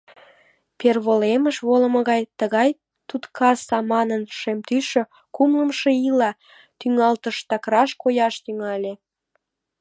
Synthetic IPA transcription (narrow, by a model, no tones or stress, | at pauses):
perβoleməʃβolə̆mə̆ɣɑjt̪əɣɑj | t̪ut̪kʰɑsɑmɑnənʃemt̪yʃø | kumləmʃeilɑ | t̪yŋɑlt̪əʃt̪ɑkɾɑʃkojɑʃt̪yŋɑlʲe